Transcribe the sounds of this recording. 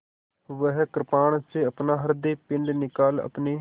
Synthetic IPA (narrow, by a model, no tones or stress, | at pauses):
ʋəɦkəɾpaːɳseːəpnaːɦəɾd̪eːpɪɳɖnɪkaːlə̰pneː